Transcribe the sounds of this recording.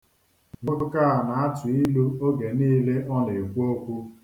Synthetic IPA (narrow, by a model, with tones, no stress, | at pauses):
ŋʊ˦ʊ˦ka˦a˨na˨a˦tʊ˨i˦lu˦o˦ɡe˨niː˦le˦ʔɔ˦ne˨kʷu˦o˦kʷu˦